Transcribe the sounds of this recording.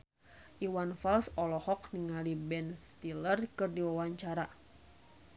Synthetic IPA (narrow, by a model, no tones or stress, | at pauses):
ʔiwanfalsɔlɔhɔkniŋalibɛnst̪ilərkɨrdiwawaɲt͡ʃaɾa